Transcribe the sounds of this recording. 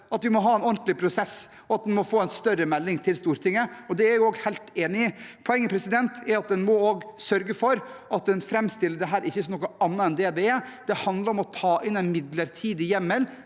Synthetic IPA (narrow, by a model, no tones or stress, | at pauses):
ɑt̪ʋɪmɔɦɑːɛnɔnt̪lɪpʰɾʊsɛs | ɔɑt̪̚d̪ɛnmɔfoːɛnst̪œɾəmɛlːɪŋt̪ʰɪlst̪uːɾʈ̪ʰɪŋːəɔd̪ɛæɾjʊoːɡhæɪlt̪eːnɪɪpʰɔɛŋːəpʰɾɛsɪd̪ɛnt̪ɛɾɑt̪̚d̪ɛnmɔoːɡsœɾɡəfɔɾɑt̪̚d̪ɛnfɾɛmst̪ɪlːəd̪ɛɦæːɾɪçːəsɔmnɔkəɑnːəɛnd̪ɛd̪ɛɛd̪̥ɛhɑnd̪ləɾɔmɔt̪ʰɑːʔɪnɛnmɪd̪ləɾt̪ʰiːd̪ɪjɛmːəl